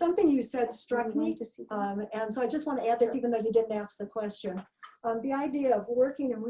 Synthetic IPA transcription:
sʌ̃mθɪ̃ŋjɨsɛdstɹ̥ʌkmĩ | ɨ̃nsoʊaɪd͡ʒʌst̚wɑ̃nɨæd̪̚ðɪsivɨ̃n̩ðoʊðɨdɪdⁿn̩tæsk̚ðɨkʰw̥ɛst͡ʃɨ̃nʌmðiaɪdiɨʌvwɜ˞kɪ̃ŋɨ̃nw

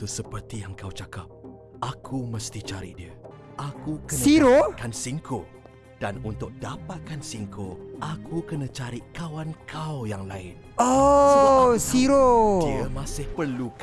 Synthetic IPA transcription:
t̪usəpərt̪ijaŋkawt͡ʃakap̚ | ʔakʰumə̃st̪it͡ʃaɾḭdiə | ʔakukəsniɾokansiŋkʰo̰ | d̥anunt̪ʊk̚dapat̪̚kansiŋkʰoʔakʰukənãt͡ʃaɾikawankʰawjaŋlaɪ̰n | o | siɾodimãsɪhpərluk

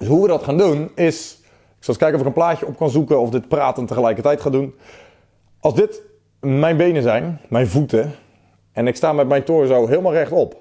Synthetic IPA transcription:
dsɦuʋədɑtχaːndunɪs | ɪksɑlˠɪskɛjkənɔfɪkənplaːcəɔp̚kɑnzukəɔfdɪtpraːtəntəχəlɛjkərtɛjtχaːdun | ɑlˠzdɪt | mɛjnbejnəzɛjnmɛjnvutə | ɛnɪkstaːmɛt̚mɛjntʊːɹzowɦɪːlˠmalˠrɛχtɔp

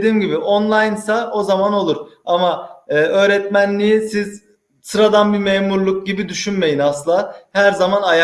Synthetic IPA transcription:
d̪iːmɟibiʔonlˠajnsao̞zamano̞lˠuɾ̥amaɯːø̞ːɾɛt̪mænlʲijisiz̥ | sɯɾad̪anbimeːmuɾlˠuk̚ɟibid̪yʃynme̞jinasɯlˠaːhæɾzamanaja

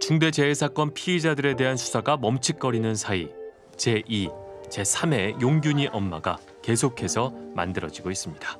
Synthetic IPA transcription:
t͡ɕuŋde̞d͡ʑe̞ːsʰak͈ʌnpʰiːd͡ʑadɯɾe̞de̞ɦansʰu̥sʰaɡamʌmt͡ɕʰik̚k͈ʌɾinɯnsʰai | t͡ɕe̞ʔit͡ɕe̞sʰame̞joŋɡjuɲiʔʌmːaɡa | ke̞sʰokʰe̞sʰʌma̰ndɯɾʌd͡ʑiɡois͈ɯmɲid̥ḁ

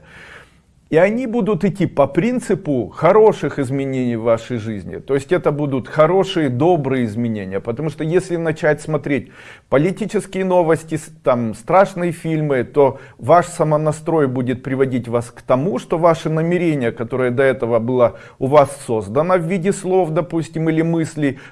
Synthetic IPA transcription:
iɐnʲibud̪ʊt̪ɪtʲːipɐpɾʲint̪sɨpʊxɐɾo̞ʂɨxɪzmʲɪnʲenʲijvːaʂəjʐɨzʲnʲɪ̰t̪o̞jɪsʲtʲɛt̪əbud̪ʊt̪xɐɾo̞ʂɨjəd̪o̞bɾɨjəɪzmʲɪnʲenʲɪjəpət̪ɐmuʂt̪o̞jesʲlʲɪnɐt͡ɕætʲsmɐt̪ɾʲet̚ʲ | pəlʲɪtʲit͡ɕɪskʲɪjəno̞vəsʲtʲɪ | t̪amst̪ɾaʂnɨjəfʲilʲmɨt̪o̞ | vaʂsɐmənɐst̪ɾo̞jbudʲɪt̪̚pɾʲɪvɐdʲitʲvaskt̪ɐmuʂt̪o̞vaʂɨnəmʲɪɾʲenʲɪjəkɐt̪o̞ɾɨjəd̪ɐɛt̪əvəbɨlˠa | ʊvasːo̞zd̪ənəvːʲidʲɪslˠo̞fd̪ɐpusʲtʲɪmilʲɪmɨsʲlʲɪ

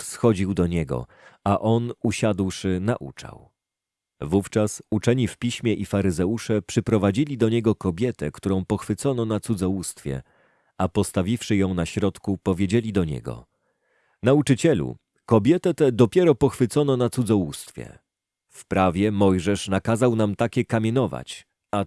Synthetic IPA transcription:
fsxɔd͡ʑiwd̪ɔɲɛɡɔ̰ | aʔɔnuɕad̪wʂɘna̰ʔṵt͡ʂa̰w | vuft͡ʂasut͡ʂɛɲifpʲiɕmʲjɛʔifaɾɘzɛuʂɛpʂɛpɾɔvad͡ʑilʲid̪ɔɲɛɡɔkɔbʲjɛt̪ɛkt̪uɾɔ̃w̃pɔxfɘt̪sɔnɔnat̪sud̪zɔwust̪fʲjɛ̰ | apɔst̪avʲifʂɘjɔ̃w̃naɕɾɔt̪kupɔvʲjed͡ʑelʲid̪ɔɲɛ̰ɡɔ̰ | naut͡ʂɘt͡ɕɛlṵ | kɔbʲjɛt̪ɛt̪ɛd̪ɔpʲjɛɾɔpɔxfɘt̪sɔnɔnat̪sud̪zɔwust̪fʲjɛ̰ | fpɾavʲjɛmɔjʐɛʂnakazawnamt̪akʲɛkamʲjɛnɔva̰t͡ɕ | a

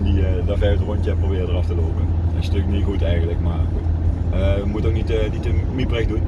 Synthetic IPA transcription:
diədavɛɹtrontjɛprobɪːrədərɑftəloːpənənstøknixutɛjɣənləkmaː | əəmutətok̚nitnitəmiprɛxdut

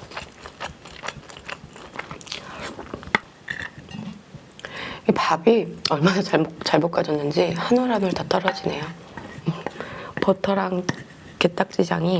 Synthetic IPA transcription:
ipabiʌɭmanat͡ɕt͡ɕaɭmok͈ad͡ʑʌnːɯnd͡ʑihanoɾamɯɭtat͈ʌɾʌd͡ʑine̞jo | potʰʌɾaŋ | ke̞t͈ak̚t͡ɕ͈id͡ʑaŋi

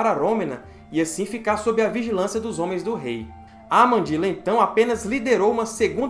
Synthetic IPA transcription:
aɾɐɾõmẽnɐ | iasĩfikaɾsobɾɪɐviʒilɐ̃sjɐd̪ʊzõmẽj̃zd̪ʊɦej | amɐ̃d͡ʒilɐẽt̪ɐ̃w̃apẽnɐzlid̪eɾowũmɐseɡũ

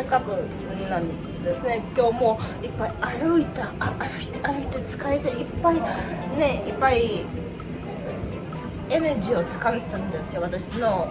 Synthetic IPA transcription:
akakɯ̟ | nãn | d̪e̞sɨne̞kʲo̞ːmo̞ipːaiaɾɯ̟it̪aaaɾɯi̥t̪aɾɯ̟it̪et͡sɨ̥kaɾet̪eipːaine̞ipːai | e̞neʑio̞t͡sɨ̥kant̪ːãnd̪e̞sɨjo̞βat̪aɕino̞

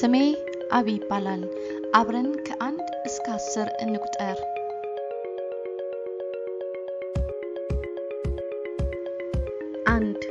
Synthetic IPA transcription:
ɨme | ʔaβijɪbːalal | ʔaβɾənkʰɐʔand̪ | ɨskʰasːɨɾɨnːɨkʷʼt̪ʼəɾ | ʔand̪

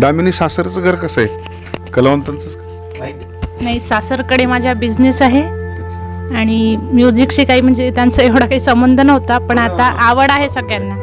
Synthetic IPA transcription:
d̪aminisasəɾt͡səɡʱəɾkəsae | kəlaʋənt̪ant͡sət͡s | naɦisasəɾkəɽemad͡ʑʱjabid͡ʑnesaɦe | aɽ̃imjud͡ʑikɕiːkaɦiːm̤əɳd͡zet̪jant͡səeʋɽakaɦiːsəmbənd̪ʱənəɦot̪apəɳat̪aʔaʋəɽaɦesəkjanːa

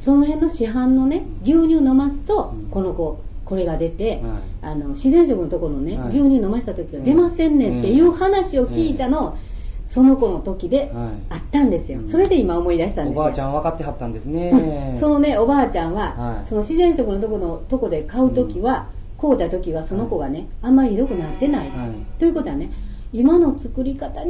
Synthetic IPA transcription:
so̞no̞hẽnːo̞ɕiɦãnːo̞ne̞ | ɡʲɨːɲ̟ʲɨːno̞masɨ̥t̪o̞ko̞no̞ko̞ | ko̞ɾe̞ɡad̪e̞t̪e̞ano̞ɕizẽ̞ɰ̃ɕo̞kɯnot̪o̞koɾnone̞ɡʲɯːɲ̟ɨːno̞maɕi̥t̪at̪o̞kʲiβad̪e̞masẽ̞nːẽ̞t̪ːe̞jɯ̟ːhanaɕio̞kkʲiːt̪ano̞ | so̞no̞ko̞no̞t̪o̞kʲid̪e̞ | at̪ːãnd̪e̞sɨjo̞so̞ɾe̞d̪e̞imao̞mo̞id̪aɕit̪ãndeaãβakat̪ːe̞ɦat̪ːãnd̪esneso̞no̞ne̞o̞baːt͡ɕãɰ̃βaso̞no̞ɕizẽ̞ɰ̃ɕo̞kɯ̟no̞t̪o̞kono̞t̪o̞ko̞d̪e̞kaɯ̟t̪o̞kʲiβako̞ːt̪at̪o̞kʲiβaso̞no̞ko̞ɡane̞ãmːaɾʲiid̪o̞kɯ̟nat̪ːe̞nait̪o̞jɯ̟ko̞t̪oane̞imano̞t͡sɨ̥kɯ̟ɾʲikat̪a

